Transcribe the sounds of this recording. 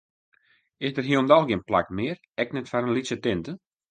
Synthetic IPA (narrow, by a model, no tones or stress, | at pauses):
ɪsdərɦiəlˠndɔlˠɡɪənpla̰kmɪər | ɛknɛtfaɾənlisətɪntə